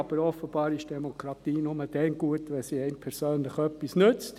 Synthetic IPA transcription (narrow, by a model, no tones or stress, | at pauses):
ɑb̥əɾɔfəb̥ɑːɾɪʃd̥ɛmokʰɾɑt̪iːnʊməd̥ɛnɡ̥uətʋɛsiːɛɪnpʰɛɾsøːnləχœpːisnʏt͡st